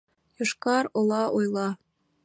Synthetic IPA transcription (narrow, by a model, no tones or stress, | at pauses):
jŏʃkɑɾŏlˠɑʔojlˠɑ